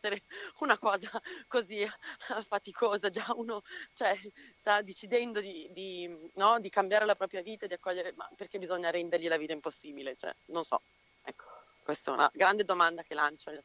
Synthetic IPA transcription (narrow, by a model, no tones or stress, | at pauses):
eɾeunakɔːzakozifat̪ikʰoːzad͡ʒauːnot͡ʃoɛst̪ad̪ːet͡ʃid̪ɛnd̪od̪id̪inɔd̪ikambjaːɾelapɾɔːpɾjaviːt̪aed̪iakːɔʎːeɾema̰pːerk̟ebizoɲːaɾɛnd̪erʎilaviːt̪aimposːiːbilet͡ʃoɛ̰nõnsɔ̰ | ɛkːo̥ | kwest̪ɛ̰ṵnʔa̰ɡɾand̪ed̪omand̪ak̟elant͡ʃone